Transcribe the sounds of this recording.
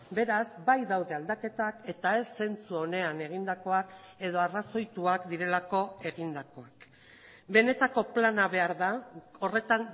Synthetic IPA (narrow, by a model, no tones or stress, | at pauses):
be̞ɾazbajðawðe̞ald̪ake̞t̪ake̞t̪ae̞sːe̞nt͡suo̞ne̞ane̞ɣ̞ind̪ako̞ak | e̞ðo̞araso̞jt̪uakd̪iɾe̞lako̞e̞ɣind̪ako̞ak | be̞ne̞t̪ako̞planaβe̞aɾðao̞re̞t̪an